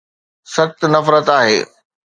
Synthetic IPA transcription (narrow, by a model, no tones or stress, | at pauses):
sɐt̪nɐfɾət̪aːɦḛː